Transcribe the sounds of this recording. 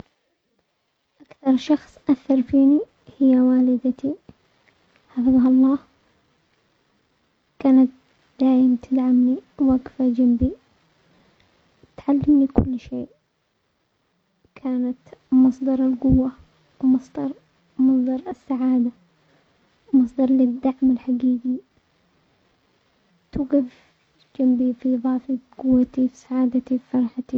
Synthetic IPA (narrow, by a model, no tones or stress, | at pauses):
ʔakθɑɾˤʃɑxsˤʔaθːɑɾˤfiːni | hɪjːawaːlɪd̪at̪i | ħafɨðˤɦɑlˤːɑːh | kaːnat̪ | d̪̥aːʔɪmt̪ʰɪd̪ʕamniwaɡfad͡ʒambi | t̪ʕalːɪmnikʊ̰lːʃeːʔ | kʰaːnat̪mɑsˤd̪ɑɾˤɪlɡʊwːa | wmɑsˤd̪ɑɾˤ | mɑsˤd̪ˤɑɾˤɪsːaʕaːd̪a | wmɑsˤd̪ɑɾˤlɪd̪ːaʕmɪlħaɡiːɡi | t̪uːɡɪf | d͡ʒambifiʔðˤɑːfiɡʊwːat̪ifsaʕaːd̪at̪ifɑɾˤħat̪i